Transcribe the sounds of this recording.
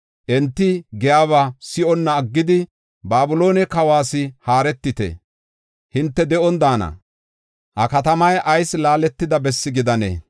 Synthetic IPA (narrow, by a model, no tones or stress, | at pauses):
ʔɛnt̪ːɪɡɛjaːβasɪʔɔnːɐːɡːɪd̪ɪ | baːbʊlo̞ːnɛkɐwaːsɪhaːɾɛt̪ːɪt̪ɛ̰ | hɪnt̪ːɛd̪ɛʔɔnd̪aːnɐ̰ | hɐ̰kɐt̪ɐmɐjʔɐjslaːlɛt̪ːɪd̪ɐbɛsːɪɡɪd̪ɐnḛː